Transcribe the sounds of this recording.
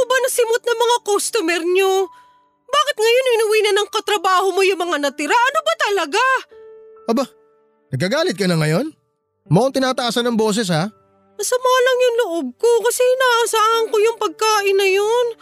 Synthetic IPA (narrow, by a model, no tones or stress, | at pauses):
kʊbanɐsɪmot̪̚nɐŋmɐŋakost̪ʊmɛɾɲo | baːkɪt̪̚ŋɐjo̞nɪnʊwiːnɐnɐŋkɐt̪ɾɐbaːhomojʊŋmɐŋanɐt̪ɪɾaʔɐnobɐt̪ɐlɐɡa | ʔɐba | nɐɡ̚kːɐɡaːlɪt̪̚kɐnɐŋɐjo̞n | moʔoŋt̪ɪnaːt̪ɐʔaːsɐnːɐŋbo̞ːs̬ɛs̬ha | nɐsɐmaːlɐŋjʊŋloʔob̚ko̞kɐsɛnɐaʔːsaːhɐŋkojʊŋpɐɡ̚kaːʔɪnːɐjon